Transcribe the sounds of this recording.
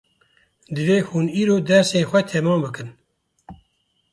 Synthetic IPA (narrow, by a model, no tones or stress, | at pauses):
d̪ɨveːhuniːɾoːd̪ɛɾseːxʷɛt̪ʰɛmɑːmbɨkɨn